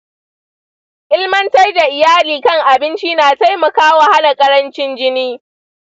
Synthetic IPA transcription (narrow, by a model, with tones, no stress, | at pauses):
ʔɪ˦lmɐ˦ntɐ˦rda˨ʔɪ˨jaː˦liː˨kɐ˦ŋʔa˨bɪ˦nt͡ʃiː˦naː˨ta˦jmɐ˨kaː˦wa˨ha˦na˨kʼɐ˦ɾɐ˦nt͡ʃɪ˦nd͡ʒɪ˦niː˦